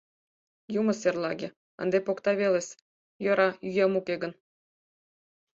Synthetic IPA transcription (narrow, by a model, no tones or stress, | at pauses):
jumɤ̆serlˠɑɡʲe | ə̰̆nd̪epokt̪ɑβelesʲ | jŏɾɑjyjemukʲeɡə̆n